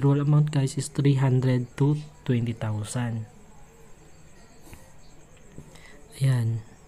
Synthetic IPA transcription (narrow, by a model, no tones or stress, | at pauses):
ɾwələmaw̃nt̪̚kajsist̪ɾiɦand̪ɾɛd̪̚t̪ut̪wɛnt̪it̪ausan | jan